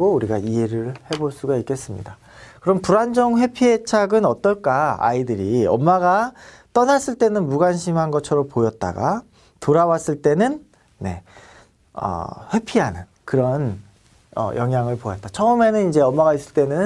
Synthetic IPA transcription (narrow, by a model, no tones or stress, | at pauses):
ɡouɾiɡaiɦe̞ɾɯɭhe̞boɭs͈uɡaik͈e̞s͈ɯmɲḭda | kɯɾʌmpuɾand͡ʑʌŋɸwe̞pʰie̞t͡ɕʰaɡɯnʌt͈ʌɭk͈aa̰idɯɾiʌmːaɡa | t͈ʌnas͈ɯɭt͈e̞nɯnmuɡanɕʰimɦanɡʌt͡ɕʰʌɾʌmpojʌt̚t͈a̰ɡa̰ | toɾawas͈ɯɭt͈e̞nɯn | ne̞̰ | ʌ̰ɸwe̞pʰiɦanɯn | kɯɾʌn | ʌ̰jʔʌŋɦjaŋɯɭpojʌt̚t͈at͡ɕʰʌɯme̞nɯnid͡ʑe̞ʌmːaɣais͈ɯɭt͈e̞nɯn